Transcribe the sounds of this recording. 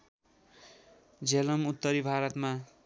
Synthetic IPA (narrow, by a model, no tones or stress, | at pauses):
d͡zelʌmut̪ːʌɾibʱaɾʌt̪ma